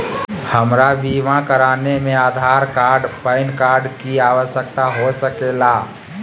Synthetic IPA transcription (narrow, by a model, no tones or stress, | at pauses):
həmɾaʋiːʋãkəɾaːnemẽaːd̪ʱaɾkaːɾɖpəɪnkaːɾɖkiaːʋəsjək̚t̪aɦosəkela